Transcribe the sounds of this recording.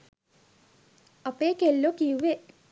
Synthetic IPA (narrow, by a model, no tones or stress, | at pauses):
apeːkelːokijuʋe